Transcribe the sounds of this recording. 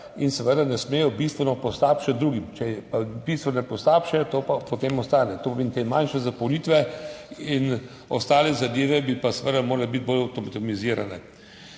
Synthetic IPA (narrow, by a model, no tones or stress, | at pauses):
insɛʋəd̪anɛsmeːjɔbist̪ʋɛnɔpɔst̪aːpʃat̪̚d̪ɾuːɡimt͡ʃɛpabist̪ʋɛnɛpɔst̪aːpʃɛt̪oːpapot̪eːmɔst̪aːnɛt̪opomeːnt̪emanʃɛzapowniːt̪ʋɛ | in | ɔst̪aːlɛzad̪eːʋɛbipasɛʋəd̪amoːɾalɛbit̪̚bolawt̪ɔmt̪miziːɾanɛ